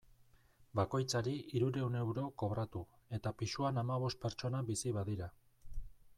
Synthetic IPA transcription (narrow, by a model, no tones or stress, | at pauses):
bako̞jt͡saɾiiɾuɾe̞une̞wɾo̞ko̞βɾat̪u | e̞t̪apiʃuanamaβ̞o̞st̪̚pe̞ɾt͡ʃo̞nabisiβaðiɾa